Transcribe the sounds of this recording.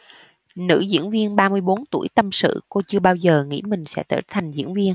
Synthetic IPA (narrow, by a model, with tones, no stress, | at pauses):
nɨ̰˧˥zḭ˧˥ənvi˧ənɓaː˧mɨ˧əjɓo˨˦nt̪u˧˩əjt̪ə˧msɨ̰˧˨ko˧t͡ɕɨ˧əɓaː˧wzəː˨˩ŋḭ˧˥mï˨˩ŋ̟sɛ̰˧˥t̪ə̰ː˧˩t̪ʰa˨˩jŋ̟zḭ˧˥nvi˧ən